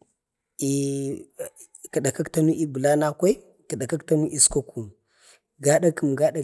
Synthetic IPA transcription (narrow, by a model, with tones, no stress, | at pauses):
i˨ | ka˨ɗa˨ka˦kta˦nu˦ʔi˦bu˨la˦na˦kʷa˦i˦ | ka˨ɗa˨ka˦kta˦nu˦ʔi˦sko˦ku˨m | ɡa˦ɗa˦kə˨mɡa˦ɗa˨